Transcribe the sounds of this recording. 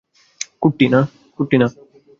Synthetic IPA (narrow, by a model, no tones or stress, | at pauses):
kʊʈːinãː | kʊʈːinãː